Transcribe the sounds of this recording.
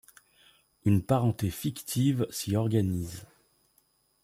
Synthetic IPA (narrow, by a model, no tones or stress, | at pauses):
ynpaʁɑ̃t̪efikt̪ʰivsiɔʁɡaniz